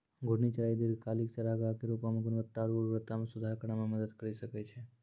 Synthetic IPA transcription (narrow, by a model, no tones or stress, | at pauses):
ɡʱoɽnit͡ʃəɾajd̪iɾkalikt͡ʃəɾaɡakeɾupamãɡʊnʋət̪ːaɾuɾʋɾət̪ːamãsud̪ʱaɾkəɳamãməd̪əd̪kəɾiʃəket͡ʃʰe